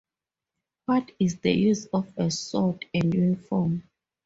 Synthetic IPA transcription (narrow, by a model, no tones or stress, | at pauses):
wɔtʰisdə̰juzɔfɛsɔtɛ̃ndjunifɔm